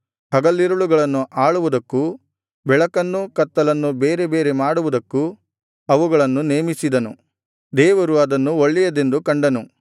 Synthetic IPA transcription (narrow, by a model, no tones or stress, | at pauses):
hɐɡɐlːiɾuɭuɡɐɭɐnːuʔaːɭuʋud̪ɐkːu | bɛɭɐkɐnːukɐt̪ːɐlɐnːubeːɾe̞be̞ːɾe̞maːɽuʋud̪ɐkːu | ɐʋuɡɐɭɐnːuneːmisid̪ɐnṵ | d̪ɛːʋɐɾuɐd̪ɐnːuoɭːijɐd̪e̞nd̪ukɐɳɖɐnu